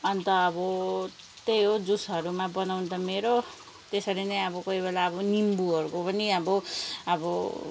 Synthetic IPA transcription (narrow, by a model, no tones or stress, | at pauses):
ʌnt̪ʌːbʌ | t̪ejɦod͡zusɦʌɾumabʌnawnt̪ʌmeɾo | t̪esʌɾinʌjʌbʌkʌibelaʌbʌnimbuʌɾukopʌniʌbʌʌbʌ